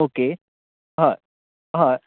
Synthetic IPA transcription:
oke | ɦã | ɦã

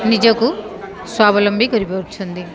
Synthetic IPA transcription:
nid͡ʒɐku | swaːbɐlɐmbʱikʌɾipeɾut͡ʃʰund̪i

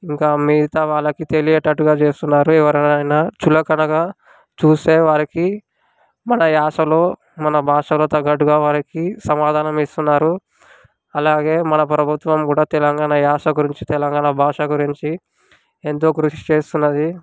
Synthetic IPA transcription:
iŋkaːmiːt̪ɐʋaːɭːɐkit̪e̞lijɛʈːɐʈːuɡaːt͡ʃe̞ːst̪unːaːɾuɛʋɐɾɐɐjnaːt͡ʃulɐkɐnɐɡɐ | t͡ʃuːse̞ːʋaːɾiki | mɐnɐjaːʂɐlo̞ː | mɐnɐbʱaːʂɐlo̞ːt̪ɐɡːɐʈ̬ːuɡaːʋaːɾikisɐmaːd̪ʱaːnɐmist̪unːaːɾu | ɐlaːɡe̞ːmɐnɐpɾɐbʱut̪ʋɐmkuːɽaːt̪ɛlɐŋɡaːɳɐjaːʂɐɡuɾiɲt͡ʃit̪ɛlɐŋɡaːɳɐbʱaːʂɐɡuɾiɲt͡ʃi | ent̪o̞ːkɾuʃi̥t͡ʃe̞ːst̪unːɐd̪i

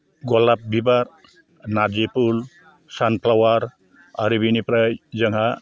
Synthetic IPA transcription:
ɡɔlap̚bʱibaɾ | nad͡ʒepul | sanpʰlawaɾ | aɾibinipɾajzʌŋɦa

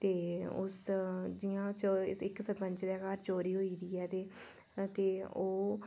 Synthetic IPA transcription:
t̪eːʊ̰sd͡ʒiːãːt͡ʃːɪɪksəpə̃ɲt͡ʃd̪ɛːkaːɾt͡ʃoːɾiːɦoːiːd̪iːɛːt̪eː | t̪eːoː

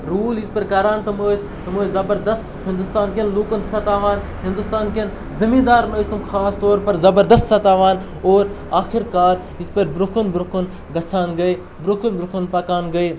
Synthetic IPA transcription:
ɾuːlispɐɾkɐɾaːnt̪ɐmoːs | t̪ɐmoːzɐbɐɾd̪ɐst̪ɦɪ̃nd̪ust̪aːnkenluːkɐnt̪sɐt̪aːʋaːn | ɦɪ̃nd̪ust̪aːnken | zɐmĩːnd̪aːɾnoːsʲt̪ɐmxʰaːst̪oːɾpɐɾzɐbɐɾd̪ɐst̪sɐt̪aːʋaːn | oːɾ | aːxʰiɾkaːɾ | ispɐɾbɾukʰunbɾukʰun | ɡɐt͡sʰaːnɡɐi | bɾukʰunbɾukʰunpɐkaːnɡɐi

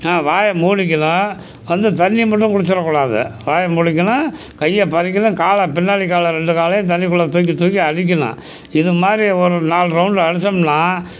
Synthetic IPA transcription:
aːʋaːjɐmuːɽɪk̬ːɐnɐ̃ | ʋɐnd̪ɯt̪ɐnːimɐʈːɯ̃ŋkʊɽɯt͡ʃːɪɾɐkːʊːɽaːðɯ̰ʋaːjɐmuːɽɪkːɐnɐ̃ | kɐjːɐpɐɾɪk̬ːɐnɐ̃kaːlɐpɪnːaːɽɪkaːlɐɾɛɳɖɯkaːlɐjɐ̃t̪̬ɐnːɪkːʊɭːɐt̪oːkːit̪uːkiɐɽɪk̬ːɐnɐ̰̃ | ɪðɯmaːd̪ɾiɔɾɯnaːlɾɐʊɳɖɐɽɯsːɐmnaː

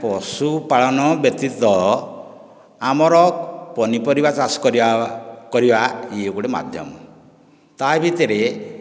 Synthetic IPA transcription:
pɔsupaɭɔnɔbjɔk̚t̪it̪wɔ | amɔɾɔpɔnipɔɾibat͡ʃasɔ̥kɔɾikɔɾibaiukuɽema̰d̪ʱjɔ̰mɔ | t̪ajbit̪eɾe

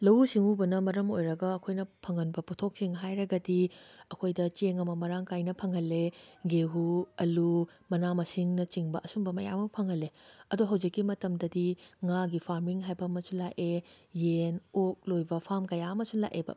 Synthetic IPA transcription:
lɐwsiŋubɐnɐmɐɾɐmojɾɐɡɐːkʰojnɐpʰɐŋɐnbɐputʰok̚siŋɦajɾɐɡɐdiɐkʰojdɐt͡ʃeŋɐmɐmɐɾaŋkajnɐpʰɐŋhɐlːeɡeɦuɐlu | mɐnamɐsiŋnɐt͡ʃiŋbɐʔɐsumbɐmɐja̰mɐpʰɐŋhɐleɐduɦɐwd͡ʒikːimɐtɐmdɐdiŋaɡipʰaɾmiŋɦajbɐːmɐsunlaʔejenok̚lojbɐpʰamkɐjaɐmɐsunla̰ʔebɐ̰

